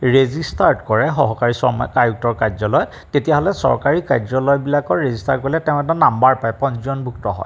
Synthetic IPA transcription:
ɹezistaɹdkɔɹɛxɔɦɔkaɹisɔ̰mɔkajuk̚tɔɹkazɔlɔjɔt | tetijaɦɔlɛsɔ̰ɹkaɹikazɔlɔjbilakɔɹɹezistaɹkɔɹlɛtɛʊ̃ɛtanambaɹpajpɔ̃nszɔnbʱuktɔ̰ɦɔ̰j

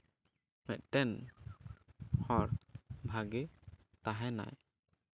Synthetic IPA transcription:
mɛt̪̚ʈɛn | hɔɾbʱaɡɛ | t̪aɦɛna̰j

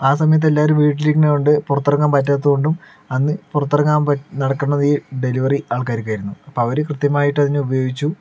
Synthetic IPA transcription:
aːsɐmɐjɐt̪̬ːe̞lːaːʋɐɾumʋiːʈ̬ːilikʲːɐnejoɳɖɨpurɐt̪ːɐrɐŋːɡaːmpɐt̬ːaːt̪̬ːuɣoɳɖum | ɐnːɨpurɐt̪ːɐrɐŋːaːmɐnɐɽɐkːunːɐðiːɖe̞liʋɐriaːɭkaːɾikːaːjɾunːuɐpːoɐʋɐɾɨkrɨt̪jɐmaːjiʈːɐðinːɨubɐjo̞ːɡit͡ɕːu

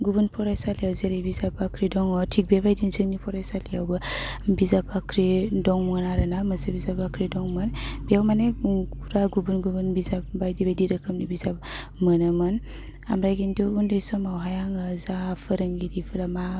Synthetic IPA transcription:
ɡubunpʰɔɾajsalijawzeɾajbizapakɾidɔŋɔtʰik̚bebajdinzɯŋnipʰɔɾajsalijawbabizabakɾidɔŋmɯnaɾɯnaməsebizabakɾidɔŋmɯnbijawmanekʰuɾaɡubunɡubunbizap̚bajdibajdiɾəkʰəmnibizap̚mənamɯn | a̰mɾajɡintuundajsɔmawɦajaŋazafʰəɾaŋɡiɾipʰɯɾama

